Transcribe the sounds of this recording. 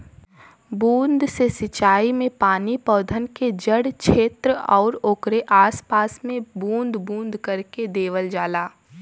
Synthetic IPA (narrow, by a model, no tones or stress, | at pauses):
bũːnd̪ʱsesɪt͡ʃaːimẽpaːnipɔːd̪ʱənked͡ʒəɽt͡ʃʰeːt̪ɾəɔːɾoːkɾeʔaːspaːsmẽbũːnd̪bũːnd̪ʱkɐɾked̪eːʋəld͡ʒaːlaː